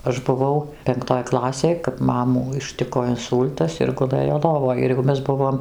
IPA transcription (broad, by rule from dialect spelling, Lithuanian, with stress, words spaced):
ɐʃ bʊˈʋɐʊ pʲɛŋkˈtoːj ˈklˠɑːsʲeːj kɐp ˈmɑːmuː ɪʃʲˈtʲɪkoː ɪnˈsuːlʲtɐs ɪr ɡʊˈlˠɘjoː ˈlˠoːʋoːj ɪr jɛʊ ˈmʲɛs ˈbʊʋoːm